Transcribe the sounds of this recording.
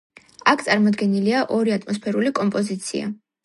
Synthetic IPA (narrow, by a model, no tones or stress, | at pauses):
akʰt̪sʼaɾmɔd̪ɡɛniliaʔɔɾiat̪ʰʼmɔspʰɛɾulikʼɔmpʼɔzit̪sʰḭa̰